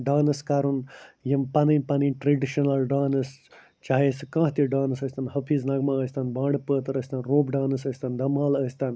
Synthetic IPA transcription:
ɖaːnɐskɐɾunjɐmpɐninpɐniʈɾeɖiʃɐnɐlɖaːnɨs | t͡ʃaːeːsɨkãːɦt̪iɖaːnɨsɐsʲt̪ɐnhɐpʰiːznɐɡmãəsʲt̪ɐnbãːɳɖpəːt̪ɐɾəsʲt̪ɐnɾoːbɖãːnɐsəsʲt̪ɐnd̪ɐmaːləsʲt̪ɐn

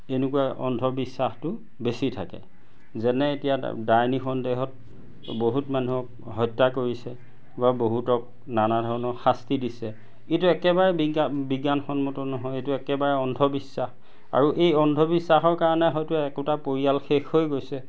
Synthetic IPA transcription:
enukuaʔɔ̰ndʱɔbisːaxtʊ | besitʰa̰kɛ̰ | zɛnɛetija̰dajnixɔndeɦɔt̚ | boɦutmanuɦɔk | ɦɔjtːakoɹisɛ | baboɦutɔk̚ | nanadʱɔɹɔnɔxastidisɛ | etuɛkɛbaɹɛbibiɡanxɔnmɔtɔnɔɦɔjetuɛkɛbaɹɛɔndʱɔbisːax | a̰ɹuʔejɔndʱɔbisːaxɔɹkaɹɔnɛɦɔjtuɛkutapoɹialxexhojɡojsɛ

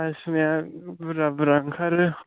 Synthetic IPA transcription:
asmiabɾabɾaŋkʰaɾɯ

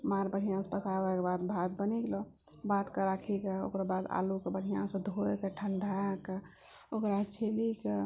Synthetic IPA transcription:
maɾbəɽ̤ijãspəsabakebad̪bʱad̪bəniɡlɔ | bat̪kəɾakʰikeo̰kɾabad̪a̰lukebəɽ̤ijãsə̃d̪ʱoekeʈʰəɳɖʱake | okɾat͡ʃʰelike

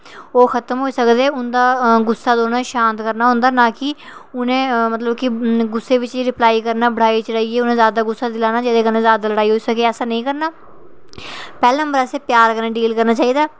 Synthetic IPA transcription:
oːxʰət̪mɦoːiːsəkd̪eːʊnd̪aːɡʊsːaːd̪oːnãːʃãːnt̪kəɾnaːɦõːnd̪aːnãːkɪʊnẽːmət̪ləbkɪɡʊsːeːʋɪt͡ʃiːɾɪplaːiːkəɾnaːbəɽaːiːt͡ʃəɽaːiːeːʊnẽːzjaːd̪aːɡʊsːaːd̪ɪlaːnaːd͡ʒeːd̪eːkənẽːzjaːd̪aːləɽaːiːɦoːiːsəkeːɛːsaːnəĩːkəɾnaː | pɛːleːnə̃mbəɾɛːseːpjaːɾkənẽːɖiːlkəɾnaːt͡ʃaːiːd̪aː

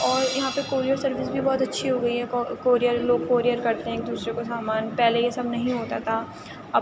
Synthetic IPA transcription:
ɔːɾjɐɦãpɐkoːɾijəɾsɐɾʋɪsbʱibɔːt̪ɐtːʃʰiɦoɡɐiɦɛkːkoːɾijəɾloːɡkoːɾijəɾkɐɾt̪eɦɛ̃ːk̚d̪uːsɾekosaːmaːnpɛːlejesɐbnɐɦĩɦoːt̪at̪ʰaː | ɐ

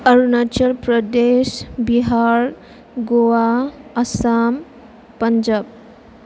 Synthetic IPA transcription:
əɾunat͡ʃəlpɾəd̪esbiɦaɾ | ɡowaɐsam | pəɲd͡ʒab̚

